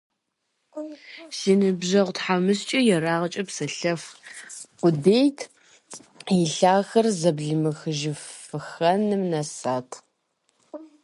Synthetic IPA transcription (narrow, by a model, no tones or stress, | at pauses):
ʃinɨbʒɐʁʷtħamɨst͡ʃʼɐjɛɾaːʁɐt͡ʃʼɐpsɐɬɐf | qʷʊdeːjtʰ | jɪɬaːxɐrzɐbɮɨmɨxɨʒɪfɨxɐnɨmnɐsaːtʰ